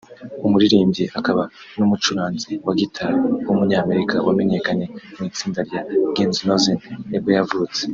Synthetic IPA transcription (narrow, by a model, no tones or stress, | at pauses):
umuɾiɾiːmbɟiʔakaβa | numut͡ʃuɾaːnziwaɡitʰaɾwumuɲaːme̞ɾikʰawame̞ɲe̞kaɲe̞mŋiːt͡siːndaɾjaɡenznozenneɡojavut͡se̥